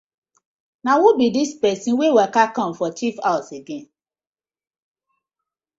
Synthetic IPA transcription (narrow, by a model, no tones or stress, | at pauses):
nãwõbidispɛsĩwewɛkakɔ̃m̩fɔt͡ʃifaseɡẽn